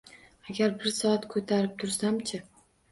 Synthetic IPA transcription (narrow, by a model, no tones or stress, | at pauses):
aɡʲaɾbɪɾsɒat̪kʰɵt̪ʰaɾɪp̚t̪ʰʊɾsamt͡ʃʰɪ